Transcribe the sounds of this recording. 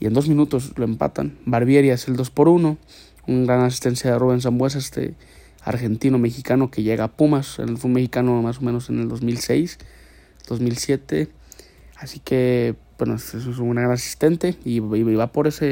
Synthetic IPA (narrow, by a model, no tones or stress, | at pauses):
iend̪os̬minut̪os̬loempa̰t̪a̰nbaɾβjeɾjaeseld̪ospoɾuno | uŋɡɾanas̬i̥st̪ensjaðeruβens̬ambwes̬est̪ḛ | a̰ɾxent̪inomexikanokeʝeɣapumasḛnelfumexikanomas̬omenoseneld̪osmilsejs | d̪̥osmilsjet̪ḛ | asikʰebwenosess̬uŋɡɾaɡɾanasi̥st̪ent̪eiiβapoɾese